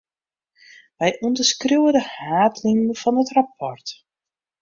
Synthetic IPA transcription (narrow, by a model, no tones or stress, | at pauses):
ʋɛjʔundəskruwədəhaːtliŋnfɔnətrap̚ɔrt